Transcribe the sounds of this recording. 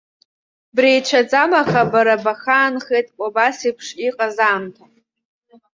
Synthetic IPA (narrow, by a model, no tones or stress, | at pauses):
brijʈ͡ʂʷʰad͡zʼamaχabaɾabaχaːnχejtʼkʷʼobasipʰʂiqʼazaːmtʰa